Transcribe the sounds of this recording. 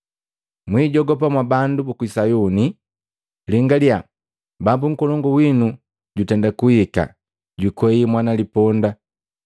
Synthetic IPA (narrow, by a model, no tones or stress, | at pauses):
mwiːɟɔɡɔp̬amwabandubukuisajuni | liŋɡalja | babuŋ̩kɔlɔŋɡɔwinu | ɟutɛndakuhika̰ | ɟwikwɛjimwanalipɔnda